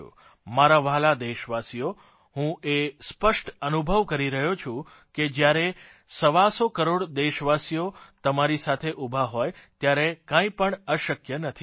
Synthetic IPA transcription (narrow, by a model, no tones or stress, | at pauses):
ṵ | maɾaʋaɦlad̪eʃʋasijo | ɦũʔespəʃʈənubʱəʋkəɾiɾəɦot͡ʃʰũ | ked͡ʒjaɾe | səʋasokəɾoɽd̪eʃʋasijot̪əmaɾisat̪ʰeʔubʱaɦojt̪jaɾekãĩpəɳəʃəkjənət̪ʰi